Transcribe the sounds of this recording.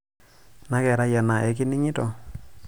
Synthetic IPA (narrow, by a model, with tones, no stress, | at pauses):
na˦kɛ˨ɾa˦ja˨na˨ʔɛ˨˦k̬i˦ni˦ɲi˦tɔ˨